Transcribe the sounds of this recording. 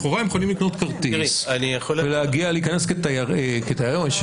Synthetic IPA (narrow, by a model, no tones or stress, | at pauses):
χoʁajemjexolimlikno̞t̪kaʁt̪iianijaχolveleaɡialiːkanesketajaeket̪ajaʁeoʃ